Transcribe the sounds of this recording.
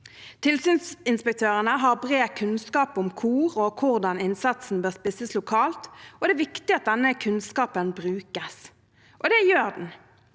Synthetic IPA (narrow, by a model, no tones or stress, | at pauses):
t̪ʰɪlsyːnsɪnspək̚t̪ʰøːʁənəɦɑʁbʁeːkʰʉnskɑːpʊmkʰuːʁɔkʰʊʁd̪ɑnɪnsɑt̪sn̩bøːʁspɪsəslʊkʰɑːlt̪ʔɔd̪ɛæːʋɪkt̪ɪɑt̪̚d̪ɛnːəkʰʉnskɑːpənbʁʉːkəs | ʔɔd̪ɛjøːʁd̪n̩